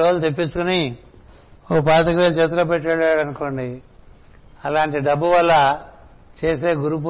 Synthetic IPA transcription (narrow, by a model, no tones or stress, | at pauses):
oːlt̪epːit͡ʃːukuni | oːpaːt̪ɐkɐʋet͡ʃɐt̪̬ɾɐpeʈːɐɭːaːɽɐnuko̞ːɳɖi | ɐlaːɳʈiɖɐbːuʋɐlːɐ | t͡ʃe̞ːs̬e̞ːɡuɾup̬u